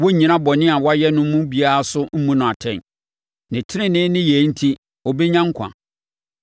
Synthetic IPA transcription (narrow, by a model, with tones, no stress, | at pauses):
wo˦ɲĩ˨nã˦bɔ˨nɪ̃˦a˨wɔ˦a˦jɛ˦nʊ̃˦mũ˦bi˨˦a˦ɾa˦sʊ˦m̩˦mũ˦nʊ̃˨a˨tʰɛ̰̃˦˨n | nɪ̃˨tʰɪ˦ɾɪ̃˦nɪ̃˦nɪ̃˦je˨˦n̩˦tʰi˦ | ɔ˨be˦ɲã˦ŋ˦kʰã̰˨